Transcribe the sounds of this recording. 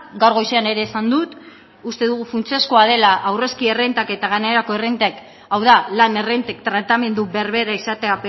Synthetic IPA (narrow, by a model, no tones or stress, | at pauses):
ɡawɾɣo̞jseane̞ɾe̞ːsand̪ut̪ | ust̪e̞ðuɣufunt͡sieskoað̞e̞laʔawre̞skie̞rent̪ake̞t̪aɣane̞ɾako̞e̞rent̪ak | awðalane̞rent̪ekt̪ɾat̪ame̞nd̪ube̞ɾβe̞ɾaisat̪e̞ap